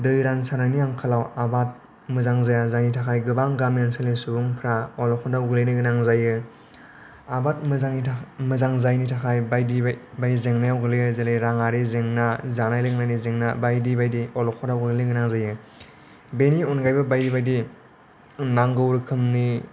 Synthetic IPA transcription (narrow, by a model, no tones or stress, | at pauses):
dɯjɾansananiaŋkʰalawabat̚ | mɯzaŋzajazajnitʰakʰajɡɯbaŋɡamenselisubuŋpʰɾaɔlɔkʰɔdawɡɯlejnɯɡɯnaŋzajɯ | abat̚maŋimɯzaŋzajnitʰakʰajbajdibajzeŋnajawɡɯlɯjɯzelejɾaŋaɾizeŋnazanajlɯɡnajnizeŋnabajdibajdiɔlɔkʰɔdawɡɯɡlɯɡɯnaŋzajɯ | beniɔnɡajbabajdibajdi | naŋɡɯwɾɯkʰɯmni